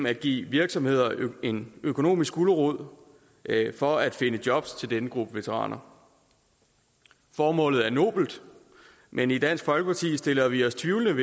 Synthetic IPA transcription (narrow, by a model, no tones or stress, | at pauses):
æd̥̚ɡ̥ḭːʋiɐɡ̥sɒ̽mhe̝ð̞̰ˠɐe̝nøkʰo̝no̝̰ːmisɡ̥uləʁoð̰ˠ | fɒ̽æd̥fe̝nəd̥jɒ̽b̥st͡sʰe̝ld̥enəɡ̥ʁub̥əʋe̝t͡sʰəʁɑ̰̈ːnʔɐ | fɒːmɔ̰̽ːlð̞̩ˠæɐno̝̰ːb̥l̩d̥ | mʔenid̥æn̰sɡ̥fɒ̽lɡ̥əpʰɑ̈t͡sʰḭːsd̥e̝lɐʋiɒ̽st͡sʰʋiʊlənəʋ